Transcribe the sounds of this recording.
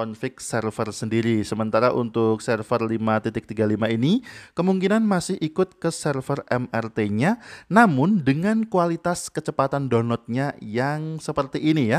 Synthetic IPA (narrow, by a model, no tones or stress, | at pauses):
ɔnfɪk̚sɛrfərsəndiɾisəmənt̪aɾaʔṵnt̪ʊk̚sɛrfərlimat̪it̪ɪk̚t̪iɡalimainikəmuŋkinanmasɪhʔikʊt̪̚kəsɛrfərɛmɛrt̪eɲanamʊndəŋankualit̪askət͡ʃəpat̪andonɔt̪̚ɲajaŋsəpərt̪iʔːnija